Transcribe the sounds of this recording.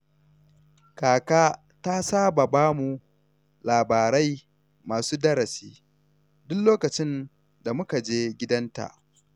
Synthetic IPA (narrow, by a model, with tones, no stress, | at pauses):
kaː˨kaː˦ | ta˦saː˦ba˨baː˦mu˨ | laː˨baː˨ɾɐ˦j | maː˨suː˦dɐ˦ɾɐ˨siː˦ | dʊ˦lloː˦kɐ˨t͡ʃɪ˦n | da˨mʊ˦ka˨d͡ʒeː˦ɡʲɪ˦dɐ˦nta̰˨ʔ